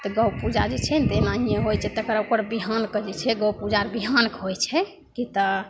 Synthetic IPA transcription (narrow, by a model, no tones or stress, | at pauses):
t̪ɔɡəwpud͡ʒad͡ʒɛt͡ʃʰɛnt̪enaijeɦojt͡ʃʰɛt̪əkɾaokəɾbiɦankəd͡ʒɛt͡ʃʰɛɡəwpud͡ʒaɾbiɦankɦojt͡ʃʰɛ | kit̪ɔ